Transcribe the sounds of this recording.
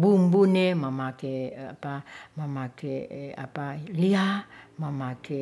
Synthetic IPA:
bumbuneməmakeapaməmakea̰paliaməmake

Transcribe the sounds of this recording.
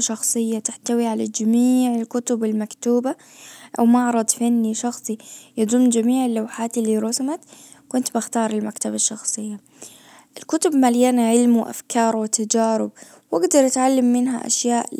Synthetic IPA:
ʃɑxsˤɨjːat̪ɪħt̪awiʕalad͡ʒamiːʕɪlkʊt̪ʊbɪlmakt̪uːba | ʔa̰wmɑʕɾˤɑd̪ˤfanːiʃɑxsˤijɑd̪ˤʊmːd͡ʒamiːʕɪlːawħaːt̪ɪlːiɾˤʊsamat̪ | kʊnt̪bɪxt̪ɑːɾˤɪlmakt̪abɑʃːɑxsˤɨjːa | ʔɪlkʊt̪ʊbmaljanaʕɪlmwʔa̰fkɑːɾˤwɪt̪ad͡ʒaːɾɪ̰b̚ | wʔaɡd̪ɑɾˤʔat̪ʕalːamːɪnɦa̰ʔa̰ʃjaːʔ

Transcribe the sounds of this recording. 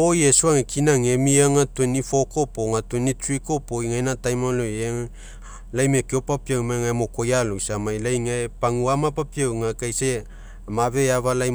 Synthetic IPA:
ojesuaŋekʰinaŋemiaŋatuenifo̞ko̞poŋatuenit͡ʃuiko̞poiŋajnatajmaloe | lajmekiopapiawmaŋaemo̞ko̞jalojsamajlajŋaepaŋuamapapiawŋakajse | maβe̞aβalaj

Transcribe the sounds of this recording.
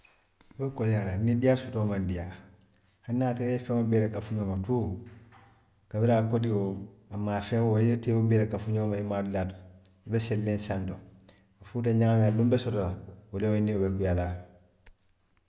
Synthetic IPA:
ibekoljalanːidijasutomandija | hanːaːteɾefeŋobeːlekafuɲoːmatu | kabiɾakodioamːaːfewojiɾteːwobeːlekafuɲoːmaimadilatu̥ | ibeselːẽnsando | afuːt̬aɲaŋaŋalumbesotolawulewoiniobekujala

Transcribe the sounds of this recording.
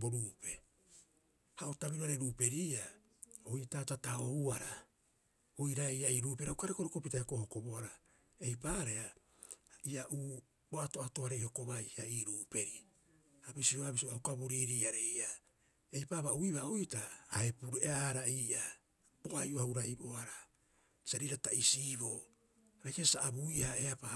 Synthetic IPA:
bo̞ɾuːpe̞ | haotaβiɾoaɾeɾuːpe̞ɾiːa | ojtatataouaɾa | ojɾaiaiːɾuːpeɾaukaɾekoɾeko̞pitaekohoko̞boaɾa | e̞jpaːɾea | iaʔuː | oato̞ato̞aɾe̞jho̞ko̞βajaiːɾuːpe̞ɾi | abisioaβisioaukaβoɾiɾiːaɾe̞ja | e̞jpaːβauiβaojtaːe̞puɾeaɾaiːʔa | boʔajʔohauɾaiboaɾa | saɾiɾataisiːβo̞ | ɾakesaabuihaeapa

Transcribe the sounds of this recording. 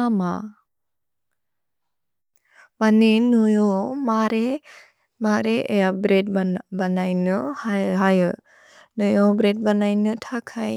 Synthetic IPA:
ama | baninɯjomaɾe | maɾeʔejabɾet̚banajnɯhɦajɯ | nɯjobɾɛt̚banajnɯtʰakʰaj

